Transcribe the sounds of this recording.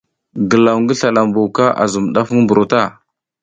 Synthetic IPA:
ɡə˨la˨wŋɡə˦ɬa˨la˨mbu˨wka˦ʔa̰˨zu˨mɗa˦fmbu˨ɾo˨ta˦˨

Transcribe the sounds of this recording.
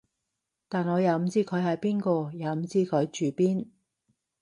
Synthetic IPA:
t̪aː˨˩nŋɔː˨˧jaː˨˧wm̩˨˧t͡siː˥kʰɵ˨˧ɥɦɐ˨jpiː˥nkɔː˧jaː˨˧m̩˨˧˦t͡siː˥kʰɵ˨˧ɥt͡ʃyː˨piː˥n

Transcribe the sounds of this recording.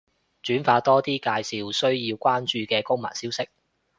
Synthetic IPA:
t͡ʃyː˨˥nfaː˧t̪ɔː˥t̪iː˥kaː˧jsi˨wsɵ˥ɥjiː˧wkʷwaː˥nt͡ʃyː˨˧kɛː˧kʊ˥ŋma̰ː˨˩nsiː˥wsɪ˥k̚

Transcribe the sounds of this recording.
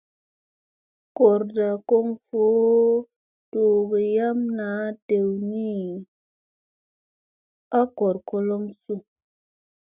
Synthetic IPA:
ko˨ɾda˨ko˦ŋfo˨˦ | to˨ɡe˨ja˦mna˨˦te˨wni˦ | a˦ko˨ɾko˧lo˦msu˦

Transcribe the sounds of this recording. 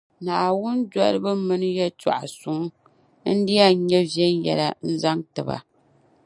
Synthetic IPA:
naː˨wʊ˦nd͡ʒa˦ɾɨ˦bɨ˦mɨ˦nɨ˦jɛ˦t͡ʃa̰˨ʔa˨sʊ˨ŋ˦ | n̩˦di˦a˦˨˦ɲɛ˦vɛ˦njɛ̰˨la˦n̩˦za˦ŋtɨ˨ba̰˨

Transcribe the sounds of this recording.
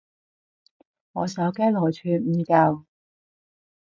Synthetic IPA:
ŋɔː˨˧sɐ˨˥wkɛː˥lɔː˨˩jt͡ʃʰyː˨˧nm̩ː˨˧kɐ˧w

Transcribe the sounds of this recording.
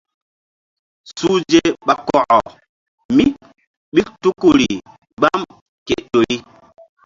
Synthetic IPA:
su˦d͡ʒe˦ɓa˨kɔ˨ʔɔ˨ | mi˦ | ɓi˦ktu˦ku˦˨ɾi˨ | ɡ͡ba˦m | ke˨ʔto˨ɾi˦

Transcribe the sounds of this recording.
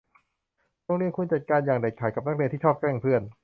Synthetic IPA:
t̪ɔ˥˧ŋɾi˧˩nku˧nt͡ɕa˨˩t̪̚kaː˧njaː˨˩ŋda˨˩jkʰaː˨˩˦jka˨˩p̚na˦˥k̚li˧t̪ʰiː˥˩t͡ɕʰɔː˥˩p̚kɛː˥˩ŋpʰɯ˥˩ən

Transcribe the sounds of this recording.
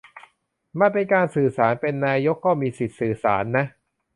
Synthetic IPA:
ma˧np̬e˧nkaː˧nsɯː˨˩saː˩˦npe˧nːaː˧jo˦˥kːɔː˥˩miː˧si˨˩t̪̚sɯː˨˩sa̰ː˩˦nːa˦˥ʔ

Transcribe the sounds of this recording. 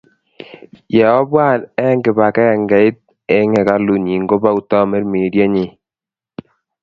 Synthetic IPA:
jɛ˨ɔ˦bwa˦˨nɛ˦ŋɡɪ˨ba˨kɛ˦ja˨ŋɡa˨i˦t̪̚ | ɛ˦ŋɛ˨ka˦lu˨ɲi˨ŋɡo˦ba˦u˨ta˦mɛ˦ɾme˨ɾja˦ɲɪ˨

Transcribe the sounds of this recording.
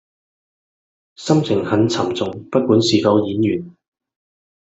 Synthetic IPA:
sɐ˥mt͡sʰɪ˨˩ŋhɐ˨˥nt͡sʰɐ˨˩mt͡sʊ˨ŋpɐ˥t̚kuː˨˥nsiː˨fɐ˨˧wjiː˨˥njyː˨˩n

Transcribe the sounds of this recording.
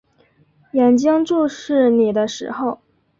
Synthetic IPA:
jɛ˨˩nt͡ɕi˥ŋʈ͡ʂu˥˧ʂɻ̩˥˩ni˨˩d̪ə˦ʂɻ̩̰˧˥xo˥˩ʊ

